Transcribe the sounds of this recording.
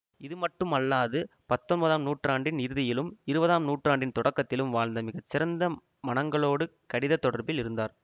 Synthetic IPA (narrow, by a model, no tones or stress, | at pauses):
ɪðɯmɐʈːɯmɐlːaːðɯpɐt̪ːɔnbɐðaːmnuːʈraːɳɖɪnɪɾɯðɪjɪlɯmɪɾɯbɐðaːmnuːʈraːɳɖɪnt̪ɔɽɐkːɐt̪ːɪlɯmʋaːɻnd̪ɐmɪɣɐt͡ʃːɪɾɐnd̪ɐ | mɐnɐŋɡɐɭoːɽɯkɐɽɪðɐt̪ːɔɽɐɾbɪlɪɾɯnd̪aːɾ